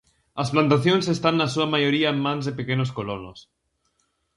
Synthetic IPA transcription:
lasplant̪aθjo̞nse̞st̪anːasuamaʝo̞ɾiaemːãnzðe̞pekeno̞sko̞lono̰s

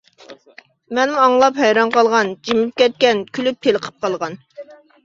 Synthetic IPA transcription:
mɛnmuɑŋlˠɑphɛjɾɑnqɑlˠʁɑnd͡ʒimɪp̚kʲɛt̪̚kʲɛnkʲʰylypʰːelˠəqʰə̥p̚qɑlˠʁɑn

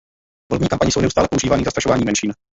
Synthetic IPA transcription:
volɛbmɲiːkampaɲɪsownɛʔust̪aːlɛpouʒiːvaːniːzast̪ɾaʃovaːɲiːmɛnʃiːn

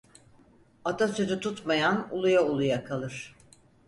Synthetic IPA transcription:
at̪ʰasyzyt̪ʰut̪majanulˠujaulˠujakʰalˠɯɾ̝̥

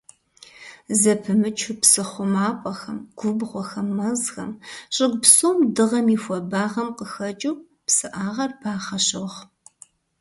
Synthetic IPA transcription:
zɐpʰɨmɨt͡ʃʰʊpsɨχʷʊmaːpʷʼɐxɐmɡ̥ʷʊbʁʷɔxɐmːɐzxɐmɕʼɪɡʷpsoːmdɨʁɐmiːxʷɔbaːʁɐmqəxɐt͡ʃʼuw | psɨʔaːʁɐrbʰaːχɐɕowʁ

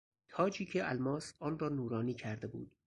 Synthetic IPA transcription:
t̪ʰɒːd͡ʒiːcʰeʔælmɒːsɒːnrɒːnuːɾɒːniːcʰæɾd̪e̞bṵːd̪̥

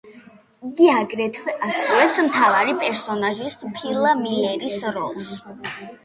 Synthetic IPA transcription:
iɡiaɡɾɛt̪ʰwɛasɾulɛpsmt̪ʰavaɾipʼɛɾsɔnaʒispʰilˠamiɛɾisɾɔlˠs

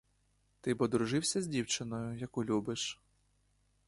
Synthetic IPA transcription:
t̪ɪbɔd̪ɾʊʐɪwsʲɐzʲdʲiwt͡ʃɪnɔjʊjɐkulʲubɪʂ

